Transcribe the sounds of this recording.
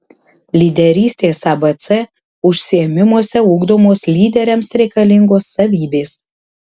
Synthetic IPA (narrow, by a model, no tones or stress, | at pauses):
lʲid̪ʲɛɾʲiːsʲt̪ʲeːsɑbɐt̪sɛ | ʊʃʲsʲɪɛmʲɪmuɔsʲɛuːɡd̪oːmoːslʲiːd̪ʲɛɾʲɛmsɾʲɛɪkɐlʲɪŋɡoːsːɐʋʲiːbʲeːs